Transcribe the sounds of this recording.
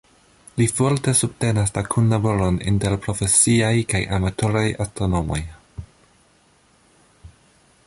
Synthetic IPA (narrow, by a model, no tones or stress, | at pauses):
lifoɾte̞sub̚te̞naslakʰunlaboɾonḭnte̞ɾpɾo̞fe̞siajkajʔa̰matʰo̞ɾajastɾono̞mo̞j